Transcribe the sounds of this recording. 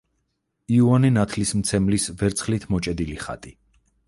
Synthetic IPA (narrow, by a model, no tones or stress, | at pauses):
iuanɛnat̪ʰlismt̪sʰɛmlisvɛɾt̪sʰχlit̪ʰmɔt͡ʃʼɛd̪iliχa̰t̪ʼi